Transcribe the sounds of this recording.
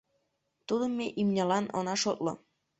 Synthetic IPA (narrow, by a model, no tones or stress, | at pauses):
t̪ud̪əmʲːeʔimnʲɑlɑnʔɤ̰nɑʃot̪lɤ̰̆